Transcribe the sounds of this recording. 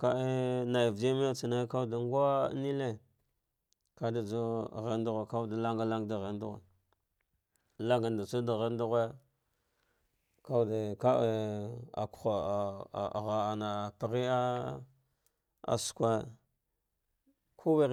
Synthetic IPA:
ka˦e˦na˨jvd͡ʒi˦me˦t͡si˨na˦ka˦˨da˨ŋɡa˦ni˦le˦ | ka˦da˨d͡zo˦˨ɣe˦ndu˦ɣe˨ka˦da˨˦la˦ŋɡa˦la˦ŋɡda˨ɣe˨ndu˦ɣḛ˨ | la˦ŋɡa˨n˨da˨t͡su˦da˨ɣe˦ndu˦ɣe˦ | ka˦˨de˨ka˦e˦˨a̰˨ku̥˨xa˨ɣa˨a˨na˨pi˨ɾi˦a˦ | a̰˨skʷa˦ | kʰu˦we˦

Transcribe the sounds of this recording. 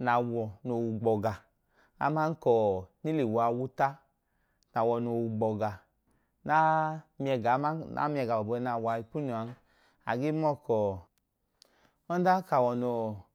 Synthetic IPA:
na˨wɔ˨no˨wu˨ɡ͡bɔ˨ɡa˨ | a̰˨˦ma˦n˦kɔ˨ni˦le˨wu˨a˧˨wu˦ta˦ | na˨wɔ˨no˨wu˨ɡ͡bɔ˨ɡa˨ | na˦mi˦ɛ˧˨ɡa˨˦a˦a̰˦mi˦ɛ˧˨ɡa˨bɔ˨bna˨wa˨˧i˧˨pu˦nu˨a˨˦n˦ | a̰˨ɡe˦mɔ˦˨kɔ˨ | ɔ˦n˦da˦ka˨wɔ˨no˨

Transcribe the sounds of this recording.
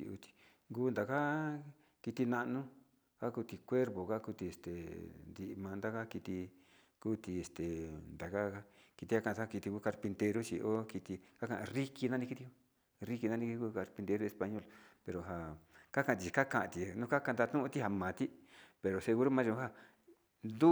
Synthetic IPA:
ḭ˧u˧t̪i̥˧˨ | ŋɡuː˦˧nd̪a˨ka˦ | ki˧t̪i˧nã˧ʔnũ˦ | ka˦ku˧t̪i˧kʷe˦ɾpo˨ka˦ku˧t̪i˧˨e˨st̪ḛ˨nd̪i˧ʔmã˧nd̪a˦ka˦ki˧t̪i˧ | kuː˦t̪i˧e˨st̪e˨nd̪a˨ka˦˧ki˧t̪i˧ha˦kã˧˨˧ki˧t̪i˧ku˧˦ka˧ɾpi˧nt̪e˧ɾu˦t͡ʃi˧ʔo˦ki˧t̪i˧ka˦kã˧ʔã˧ri˦ki˧nã˦nĩ˧ki˧t̪i˧ku˦ | ri˦ki˧nã˧nĩ˧kuː˧ka˧ɾpi˧nt̪e˧ɾu˦˧e˧spa˧ɲo˦˨lpe˧ɾo˨ɦa˨ka˦kã˧˨˧t̪i˨t͡ʃka˦kã˧ʔã˧t̪i˨nũ˦ka˦ka˧nd̪a˧t̪ũ˦ũ˧˦t̪i˦ha˧mã˨t̪i˦pe˧ɾo˨se˧ɣu˧ɾu˦mãː˦ʒũ˧˦a˦ | nd̪u˦

